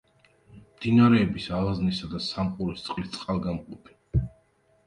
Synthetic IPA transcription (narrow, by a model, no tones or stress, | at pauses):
md̪̥inaɾɛːbisalˠaznisad̪asamqʼuɾist̪sʼqʼlist̪sʼqʼalˠɡamqʼɔpʰi̥